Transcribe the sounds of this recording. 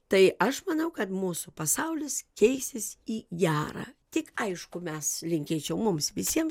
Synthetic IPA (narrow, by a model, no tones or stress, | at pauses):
t̪ɐɪɐʃmɐnɐʊkɐt̪muːsʊpɐsɐʊlʲɪskʲɛɪsʲɪsiːɡʲæːɾɑ̰ːt̪ʲɪkɐɪʃkʊmʲɛslʲɪŋʲkʲeːt͡ʃʲɛʊmʊmsʋʲɪsʲiɛm